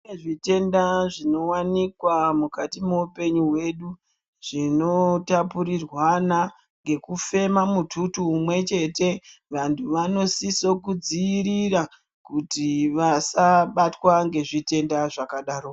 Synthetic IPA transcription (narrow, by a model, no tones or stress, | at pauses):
eʐite̞ndaʐino̞wanikwamukatimoupe̞ɲuwe̞ɗu | ʐ̥ino̞tapuɾirwana | ŋɡe̞kufe̞mamutʰutuːmwe̞t͡ʃe̞te̞ʋantʰuʋano̞siso̞kud͡ziːɾira | kutiʋasaɓatwaŋɡe̞ʐite̞ndaʐakaɗaːɾo